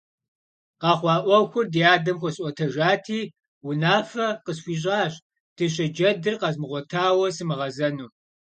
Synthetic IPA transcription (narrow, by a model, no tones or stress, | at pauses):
qɑːχʷɑːʔʷɔwxʷʊrdijaːdɐmxʷɔɕʼʷɔtʰɐʒaːtʰiː | wʊnaːfɐqəsxʷiːɕ̬ʼaːɕ | tʰɨɕ̬ɐd͡ʒɐdɨrqɑzmɨʁʷɔtʰaːwɐsɨmɨʁɐzɐnuː